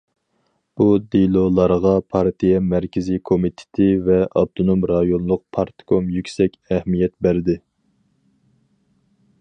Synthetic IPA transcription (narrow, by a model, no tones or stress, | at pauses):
bud̪elˠolˠɑɾʁɑpʰɑɾt̪ʰijɛmæɾkʲʰɪzikʰomit̪ʰɪ̥t̪ʰɪvɛɑ̰b̚t̪ʰonomɾɑjonlˠʊq̚pʰɑɾt̪ʰkʰomjykʲsɛkʲɛhmijɛt̪̚bæɾd̪ɪ